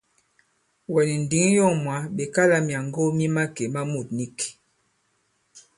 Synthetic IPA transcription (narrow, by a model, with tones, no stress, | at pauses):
wɛ˨ni˨n̩˨di˨˦ŋ˦jo˦˨ŋmwa˨˦be˨ka˦la˦mja˨ŋɡo˦mi˦ma˦ke˨ma˦mu˨t̚ni˦k